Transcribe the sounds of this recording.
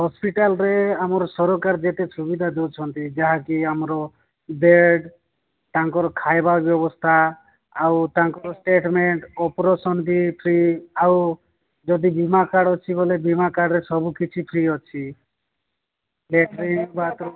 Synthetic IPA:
ɦɔspiʈalɾeamɔɾɔsɔɾɔkaɾd͡ʒet̪esubid̪ʱad̪et͡ʃʰɔnt̪id͡ʒaɦakiamɾɔ | beɖ | t̪aŋkɔɾɔkʰajbabjɔbɔst̪ʰaː | wt̪aŋkɔɾɔsʈeʈmeɳʈɔpɔɾɔsɔnd̪ipʰɾiaw | d͡ʒɔd̪ibimakaɽɔt͡ʃʰibɔlebimakaɽɾesɔbukit͡ʃʰipʰɾiɔt͡ʃʰi | leʈɾinbat̪ɔ

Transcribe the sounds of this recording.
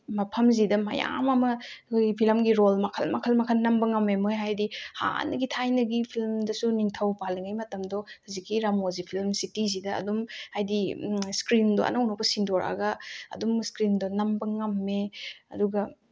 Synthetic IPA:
mɐpʰɐmzidɐmɐ̰ja̰mɐmɐtʰojɡpʰilmɡiɾolmɐkʰɐlmɐkʰɐlmɐkʰɐlnɐmbɐŋɐmːemojɦajdiha̰nɐɡitʰajnɐɡipʰilmdɐsuniŋtʰɐwpaliŋajmɐtɐmdɔhɐzikːiɾamozipʰilmsitizidɐɐ̰dumhajdiskɾindoʔɐ̰nɐwnopɐsindɔɾʔa̰ɡɐɐ̰dumskɾindonɐmbɐŋɐmːeɐ̰duɡɐ

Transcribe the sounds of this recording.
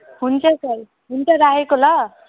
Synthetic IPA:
hunt͡sʰʌsʌɾ | ɦunt͡sʌɾaɦekolʌ

